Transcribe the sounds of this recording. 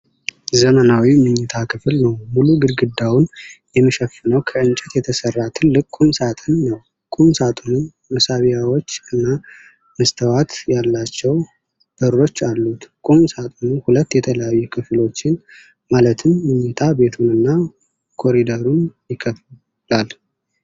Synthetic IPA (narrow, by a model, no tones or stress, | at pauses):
zəmənawimɨɲːɨt̪ʰakʰɨflnəwmuluɡɨɾɡɨd̪ːawʊnjɛmːəʃəfːɨnəwkʰəɨnt͡ʃʼɛt̪jɛt̪ʰəsərːat̪ʰɨlːɨkʼːumsat̪ʼɨnːəw | kʼumsat̪ʼunɨn | məsaβijawo̞t͡ʃːɨnːa | məst̪ʰəwat̪jalːat͡ʃːɛw | b̥əɾːo̞t͡ʃːalːut̪kʼumsat̪ʼunɨnhulət̪ːjɛt̪ʰələjajːukʰɨflo̞t͡ʃːɪn | malət̪ʰɨmːɨɲːɨt̪ʰabe̞t̪ʰunɨnːa | kʰo̞ɾid̪əɾunjɪkʰəf | lal